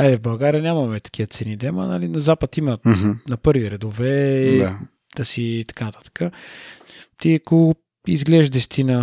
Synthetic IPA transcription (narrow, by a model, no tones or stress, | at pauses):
aɛvbɐlˠɡaɾiənʲamɐmɛt̪ɐ̥k̟ʰiət̪sɛnid̪ɛmɐ̰na̰linɐzapət̪imənɐpɤɾviɾɛd̪ovɛa | d̪̥ɐsiːt̪ɐ̥kanɐt̪ḁt̪ə̥kə | t̪iko | izɡlɛʒd̪ɛst̪inɐ